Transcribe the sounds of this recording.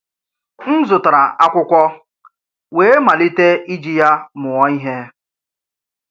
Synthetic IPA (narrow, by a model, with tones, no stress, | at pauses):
kn̩˦zʊ˨ta˨ɾa˨ʔa˦kʷʊ˦kʷɔ˦ | weː˦e˦ma˨li˦te˦i˦d͡ʒi˦ja˦mʊ˨ɔ˦i˦ɦe˦